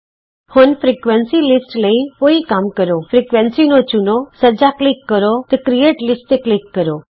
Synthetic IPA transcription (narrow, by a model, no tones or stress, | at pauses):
hunfɾikʋɛnsilɪsʈləĩpoːikaːmkəɾofɾikʋɛ̃nsinot͡ʃunosəd͡ʒaklɪkːəɾot̪ɐkɾieːʈlɪsʈeklɪkːəɾo